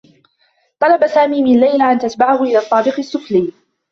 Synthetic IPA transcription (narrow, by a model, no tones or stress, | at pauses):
t̪ˤɑlɑbasaːmiːmɪnlːajlaʔant̪at̪baʕahʊʔɪlaːt̪ˤːɑːbɪqɪsːʊfliː